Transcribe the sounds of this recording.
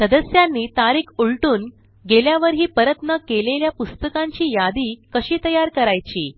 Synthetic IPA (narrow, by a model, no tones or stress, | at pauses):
səd̪əsjanːiːt̪aɾiːkʰuɭʈuːn | ɡeljaʋəɾɦiːpəɾət̪nəkeleljapust̪əkãɲt͡ɕiːjad̪iːkəɕiːt̪əjaɾkəɾajt͡ɕiː